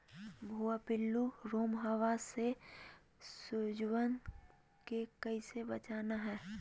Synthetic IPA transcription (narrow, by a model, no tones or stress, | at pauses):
bʱuapɪlːuɾoːmɦaʋase | sʊd͡ʒwən | kekɐisebɐt͡ʃaːnaɦɛː